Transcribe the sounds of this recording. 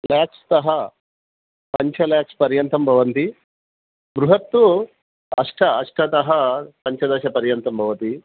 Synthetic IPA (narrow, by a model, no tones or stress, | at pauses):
laːkst̪ɐɦɐ | pɐɲt͡ʃʰɐlaːkspɐɾjɐnt̪ɐmbʱɐʋɐnt̪i | ɡɾuɦɐt̪ːu | ɐʂʈʰɐɐʂʈʰɐt̪ɐɦɐpɐɲt͡ʃʰɐd̪ɐʃɐpɐɾjɐnt̪ɐmbʱɐʋɐt̪i